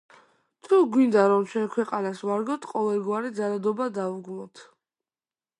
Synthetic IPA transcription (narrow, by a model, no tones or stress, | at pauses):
t̪ʰuɡwind̪aɾɔmt͡ʃʰɛnkʰwɛqʼanasvaɾɡɔt̪ʰqʼɔlɛlɡwaɾid̪zalad̪ɔbad̪auɡlˠɔt̪ʰ